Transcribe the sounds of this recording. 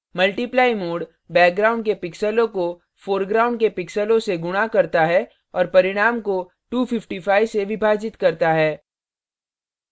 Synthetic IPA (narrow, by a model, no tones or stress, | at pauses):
mɐlʈiplaːɪmoːɖ | bɛːk̚ɡɾaːʊ̃ɳɖkepɪksəlõko | foːɾɡɾaːʊ̃ɳɖkepɪksəlõseɡʊɽ̃akɐɾt̪aɦɛ | ɔːɾpɐɾɪɽ̃aːmko | ʈuːfʰɪfʈifaːɪseʋɪbʱaːd͡ʒɪt̪kɐɾt̪aɦɛː